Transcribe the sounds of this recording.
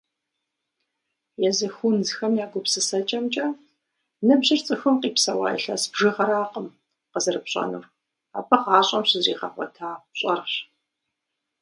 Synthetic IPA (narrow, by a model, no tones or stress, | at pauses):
jɛzɨxʷunzxɐmjaːɡʷʊpsɨsɐt͡ʃʼɐmt͡ʃʼɐ | nɨbʑɨrt͡sʼɨxɨmqiːpsɐwa̰ːjɛ̰ɬɐ̰sbʒɨʁɐɾaːqʼəm | qəzɨrɨpɕʼɐ̰nṵː | abɐʁɑːɕʼɐmɕɪzriːʁɐ̰χʷɔ̰tʰaːɕʼɐrɕ